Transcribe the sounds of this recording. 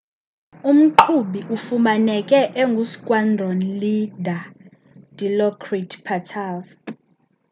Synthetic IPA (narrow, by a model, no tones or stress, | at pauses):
um̩ǃʰuɓiʔufumanɛkʼɛʔeŋɡʱusi̥kʼwandʱɔnlidʱa | d̥ilɔkʰritʰpʰatʰav